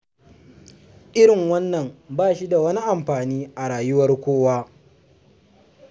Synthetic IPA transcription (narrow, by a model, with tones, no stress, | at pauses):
ʔɪ˦ɾɪ˨ŋwɐ˦nːɐ˨mbaː˦˨ʃi˦da˨wɐ˦ni˦ʔa˨mɸaː˨niː˦ʔa˨ɽaː˨jʊ˦wɐ˦rkʷoː˦waː˦